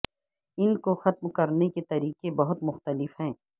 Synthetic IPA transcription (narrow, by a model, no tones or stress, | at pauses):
ɪnkoxɐt̪mkɐɾneket̪ɐɾiːqebɐɦʊt̪mʊxt̪əlɪfɦɛ̃ː